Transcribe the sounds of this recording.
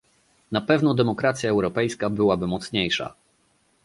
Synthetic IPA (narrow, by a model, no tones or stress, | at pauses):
napɛvnɔd̪ɛmɔkɾat̪sʲjaɛwɾɔpɛjskabɘwabɘmɔt̪sɲejʂa̰